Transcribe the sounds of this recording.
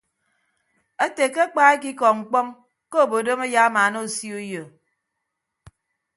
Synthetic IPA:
e˦te˨ke˦k͡pa˦e˦k̬i˦kɔ˨ŋ̩˨k͡pɔ˦ŋ | ko˦o˦˨bo˨do˦me˦ja˦a˦ma˨˦no˦˨si˦u˦jo˨

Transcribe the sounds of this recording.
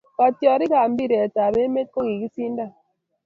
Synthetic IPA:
ka˨tjɔ˨ɾi˦ka˨m˦bi˦ɾe˨ta˨be˦me˦t̚ko˦ɡi˨ki˦si˦nda˦˨

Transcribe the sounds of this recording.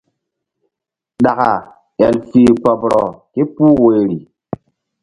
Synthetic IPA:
ɗa˨ka˨ | e˨lfi˨k͡pɔ˨bɾɔ˨ki˦pu˦we˨ɾi˨

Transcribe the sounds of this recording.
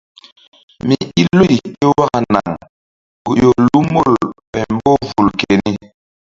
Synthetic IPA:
mi˨i˦lo˦i˨ke˦wa˦ka˨na̰˨ŋ | ɡu˨jo˨lu˦mo˦˨lpɛ˨m˦bo˦vu˨lke˨ni˦

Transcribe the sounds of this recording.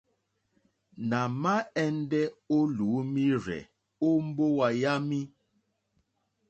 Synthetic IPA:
na˨ma˦ɛ˦n˦dɛ˦o˦lu˨˦mi˦ɾɛ̰˨ | o˦m̩˦bo˦wa˨ja˦mi˦

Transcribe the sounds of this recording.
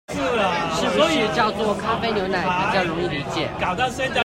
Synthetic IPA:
ə˧˥y˨˩t͡ɕjɑ˥˧ʊt͡swɔ˥˩kʰa˥fe˥ɪnjo˧˥ʊna˥˩ə˨˩t͡ɕjɑ˥˧ʊɻʊ˧˥ŋi˥˩d̪ə˩i˧˥t͡ɕjɛ̰˨˩˦ka˨˩ʊt̪a˥˩sa˥nt͡ɕa˥˧

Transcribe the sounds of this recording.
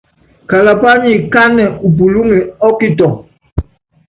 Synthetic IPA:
ka˨la˨pa˦ɲi˨ka˦nɛ˨u˨p̬u˨lu˦ŋi˨ɔ˦ki˦tɔ˨

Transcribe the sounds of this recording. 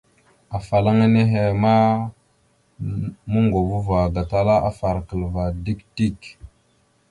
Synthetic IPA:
a˨fa˨la˦ŋa˦ne˦ɦe˨ma˦ | mə˦ŋɡo˨vu˦va˨ɡa˨ta˦la˦ʔa˦fa˨ɾkə˨lva˨di˦kti˦˨k

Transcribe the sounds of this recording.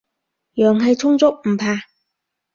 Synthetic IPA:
jœː˨ŋɦɐ˨jt͡sʰʊ˥ŋt͡sʊ˥k̚m̩˨˩pʰaː˧

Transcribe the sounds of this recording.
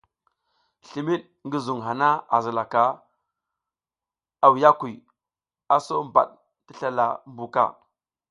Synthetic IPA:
ɬi˨mi˦ɗ | ŋɡi˦zu˨ŋɦa˨na˦a˨zi˨la˨ka˨ | a˨wja˦ku˨ | a˨so˦mba̰˨ɗ | ti˦ɬa˨la̰˨mbu˨ka̰˦˨

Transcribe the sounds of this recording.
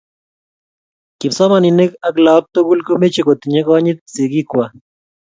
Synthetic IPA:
ki˨psɔ˦ma˨ni˨ne˦ka˨˦kla˨˦p̚t̪o˦ku˦lko˦me˦t͡ʃe˨ko˨t̪i˨ɲe˦kɔ˦ɲi˦t̪̚se˨ki˦kwa˨

